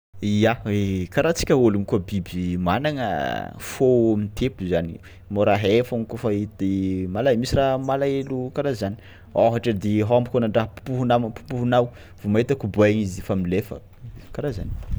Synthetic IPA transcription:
ijaekaɾat͡si̥kʲəolunkuabibimanaŋə̰fomit̪ʰepuzani | moɾaɦefaŋikofait̪emalamisiramalaelukaɾazani̥ | aɦaʈ͡ʂad̪eɦambukonaɳɖ͡ʐaɦəpu̥puɦunampu̥puɦunaw | v̥omaɦit̪akubuaɲizifamilefə̰ | kaɾaza̰ni

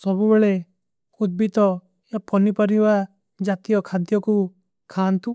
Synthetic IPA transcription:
sɔbubeɭe | ud̪̚bit̪ɔ | japɔnipɔɾiʋa | d͡ʒat̪ijɔkʰãnt̪ijɔku | kʰaːnt̪u

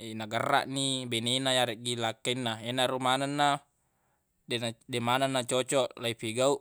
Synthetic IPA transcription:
enaɡərːa̰ʔnibenenajaɾeʔɡilakːainːaenaɾumananːa | dendemananːat͡ʃot͡ʃɔʔlaipiɡauʔ

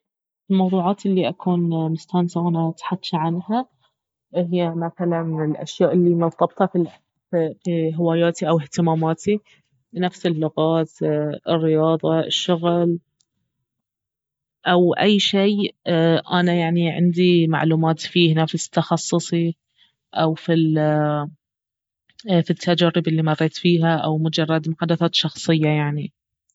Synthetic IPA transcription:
ɪlmɑwðˤuːʕɑːt̪ʔɪlːiʔakʰuːnmʊst̪aːnsawʔanat̪ħad̪ʃʕanha | ɦɪjːamaθalanɪlʔa̰ʃjaːʔɪlːimʊlt̪ˤɑb̚t̪ˤɑfi | fiɦɪwaːjaːt̪iʔawɪht̪ɪmaːmaːt̪ʰi | nafsɪlːʊɣaːt̪ɪrːɪjɑːðˤɑɪ̰ʃːʊɣl | ʔawʔajːʃeːʔanajaʕniʕɪ̰nd̪ima̰ʕluːmaːt̪fiːhnafst̪ːɑxɑsˤːɨsˤi | ʔawfil | fit̪ʰːad͡ʒaɾɪbɪlːimɑrˤːeːt̪fiːɦaʔawmʊd͡ʒɑrˤːɑd̪mʊħad̪ːaθaːt̪ʃɑxsˤɨjːajaʕni

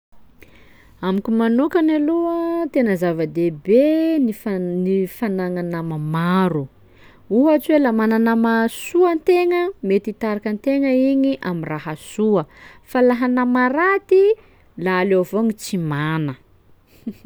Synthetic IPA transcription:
amikʲimanukanaluət̪enəzavəd̪ebeninifanaŋanamamaɾu | uɦat͡ʃwelamananamasuənt̪eŋəmet̪it̪aɾakənt̪eŋəiɲiʔamiraɦasuəfalaɦanamaɾat̪i | laːlevoŋit͡simanə

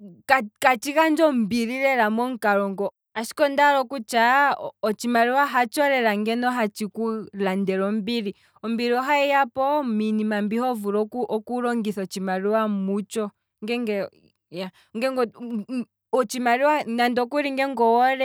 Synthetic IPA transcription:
kakat͡ʃikand͡ʒɔmbiɾiɾɛɾamɔŋkaɾɔŋɡɔ | aʃi̥kɔndaɾɔkut͡ʃaɔt͡ʃimaɾiwaɦat͡ʃɔɾɛɾaŋɡɛnɔɦat͡ʃikulandɛɾɔmbiɾi | ɔmbiɾiɔɦaɛjapɔminimambihɔvuɾɔʔɔkuɾɔŋɡiθɔt͡ʃimaɾiwamut͡ʃɔ | ŋɡɛŋɡɛ | ja | ŋɡɛŋɡɔ | ɔt͡ʃimaɾiwanandɔkuɾiŋɡɛŋɡɔwɔɾɛ

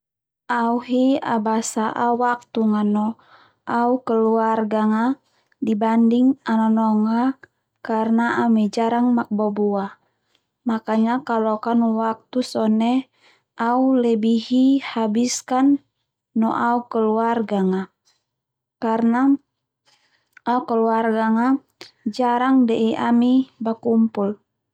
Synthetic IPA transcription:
auɦia̰basaʔawak̚t̪uŋanɔ | ʔaukəluarɡaŋa | dibandiŋanɔnɔŋa | karnaamɛd͡ʒaɾaŋmak̚bɔbua | makaɲakalokanuwak̚t̪usɔnɛ | ʔaulɛbiɦihabiskanː | ɔʔaukəluarɡaŋa | karna | ukəluarɡaŋa | d͡ʒaɾaŋdɛʔiʔamibakumpul

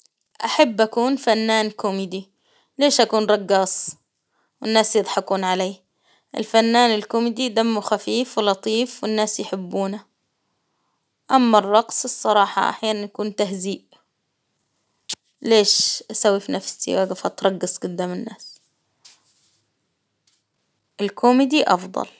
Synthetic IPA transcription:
ʔaħabːʔakuːnfanːaːnkʊmiːd̪i | leːʃʔakuːnɾˤɑɡːɑːsˤ | wɪnːaːsjɨd̪ˤħɑkuːnʕaleː | ʔɪ̰lfanːaːnɪlkʊmiːd̪id̪amːuxafiːfwɪlɑt̪ˤiːfwɪnːaːsjħɪbːuːna | ʔamːarˤːɑqsˤɨsˤːɑɾˤɑːħɑ̰ʔa̰ħjaːnanjakuːnt̪aɦziːʔ | leːʃʔasawːifinafsḭwʔaɡɪfat̪ɾˤɑɡːɑsˤɡʊd̪ːaːmɪnːaːs | ʔɪlkʊmɪd̪iʔɑ̰fd̪ˤɑ̰l

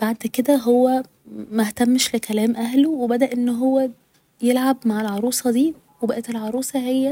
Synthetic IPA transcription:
b̥aʕd̪ked̪æɦowːæ | mæht̪æmːʃlekælæːmʔæɦlowebæd̪æʔenːɦowːæ | jelʕabmaʕelʕɑɾˤuːsˤɑd̪iː | webæʔæt̪elʕɑɾˤuːsˤɑɦejːæ

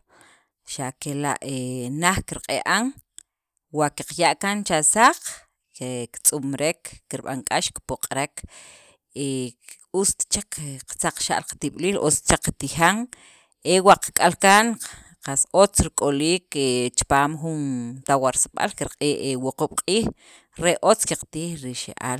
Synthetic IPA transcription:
ʃakela̰ʔenaχkiɾqʼeʔaŋ | waʔkiqjaʔkant͡ʃasaq͡χ | ekt͡sʼumɾekːiɾɓa̰ŋkʼaʃkpoqʼɾek | e | ust̪t͡ʃakqt͡saq͡χʃa̰ʔlqt̪iɓ̥liːlʔo̰t͡st͡ʃakt̪ixaŋ | ewaqkʼalkan | qasot͡sɾikʼoliːket͡ʃpaːmχunt̪awaɾsaɓa̰lkiɾqʼeːʔewoquɓ̥qʼiːx | ɾeʔʔot͡skiqt̪iːxɾiʃḛʔa̰ːl

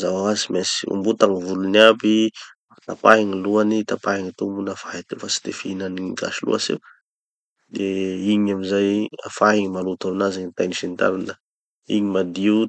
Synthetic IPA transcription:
zawaazimesi̥ṵmbut̪aŋivuluniapiat̪apaɦiŋiluanit̪apaɦiŋit̪umunafaɦit̪ifasi̥t̪efinaniiɡa̰ʃilṵasḭ | d̪eiɲamizaja̰faɦiŋimalut̪aminaziɲt̪ajniʃint̪a̰ɾanə | ḭɲimad̪iu

